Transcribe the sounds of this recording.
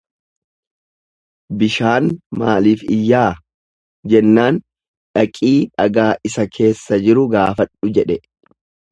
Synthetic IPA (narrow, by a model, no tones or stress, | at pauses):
bɪʃaːnmaːliːfɪjːaː | d͡ʒɛnːaːn | ᶑɐkʼiːᶑɐɡaːʔɪsɐkʰe̞ːsːɐd͡ʒɪɾʊɡaːfɐᶑʊd͡ʒɛᶑɛ